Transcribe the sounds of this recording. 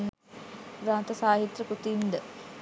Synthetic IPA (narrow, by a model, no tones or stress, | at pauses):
nː | ɾaːnt̪ɐsaːɦit̪ɾɐkut̪ind̪ə